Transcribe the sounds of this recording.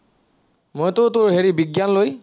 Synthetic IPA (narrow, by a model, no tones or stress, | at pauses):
mojtʊtʊɹɦeɹibiɡjanloj